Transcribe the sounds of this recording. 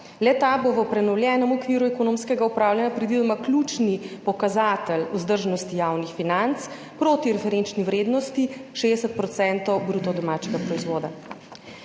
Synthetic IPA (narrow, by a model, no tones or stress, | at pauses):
lɛt̪aboʋəpɾɛnɔwljɛːnɔmɔkʋiːɾuɛkɔnõːmskɛɡaupɾaːwljanʲjapɾid̪ʋid̪ɔmaklʲuːt͡ʃnipɔkazat̪əluzd̪əɾʒnɔst̪ijaːwnixfinant̪s | pɾoːt̪iɾɛfɛɾent͡ʃniwɾeːd̪nɔst̪iʃed̪ɛsət̪̚pɾɔt̪sɛnt̪ɔwbɾuːt̪ɔd̪ɔmaːt͡ʃɛɡapɾɔizʋoːd̪a